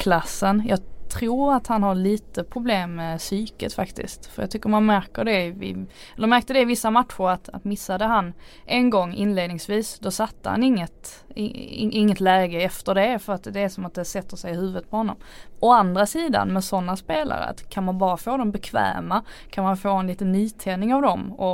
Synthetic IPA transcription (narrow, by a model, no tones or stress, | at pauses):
kʰlasːənjɑːt̪ʰɾuːɾat̪hanhaɭiːt̪əpʰɾʊbleːmːɛsyːkət̪fakt̪ɪ̰st̪fə̰ɾjɑ̰ɡt̪ʰʏkːəmanmæɾkəɖɛɪɪ̰ | ɛlːəɾmæɾkt̪əd̪ɛɪvɪsːamat̪ɧʊɾat̪a̰t̪mɪsːad̪əɦanʔɛnɡɔŋːɪ̰nleːd̪nɪŋsviːsd̪ɔsat̪ːə̰ha̰nɪŋːət̪ | ɪ̰ɪ̰ɪŋːət̪lɛːɡəɛft̪əɖɛfœɾat̪d̪ɛːsɔmat̪̚d̪ɛsɛt̪ːəʂɛjɪhʉ̟ːvət̪̚pʰɔhɔnːɔ̰mɔand̪ɾasiːd̪a̰nmɛsɔnːaspeːla̰ɾə̰kʰanmanbɑːɾafoːd̪ɔmbɛkʰvæ̰ːmakʰanmhanfoːɛnliːt̪ənːyːt̪ʰɛːnɪŋavd̪ɔmɔ